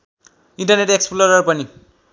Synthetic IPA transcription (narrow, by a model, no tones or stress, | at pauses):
inʈʌrneʈeksploɾʌrpʌni